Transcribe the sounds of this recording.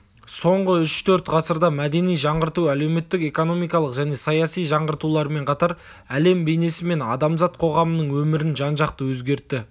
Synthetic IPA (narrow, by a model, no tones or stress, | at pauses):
so̞ɴʁəʏʃt̪ʰɵɾt̪ʁɑsəɾd̪ɑmæd̪e̞nijʒɑɴʁəɾt̪uæle̞wme̞t̪ːɪke̞ko̞no̞mijkɑlˠəqʒæne̞sɑjɑsijʒɑɴʁəɾt̪ulˠɑɾəme̞ɴqʰɑt̪ɑɾ | æle̞mbe̞jne̞sɪme̞nɑ̰d̪ɑmzɑt̪̚qʰo̞ʁɑmənəɴwɵmɪɾɪnʒɑnʒɑqt̪əwɵzɡʲe̞ɾt̪ːɪ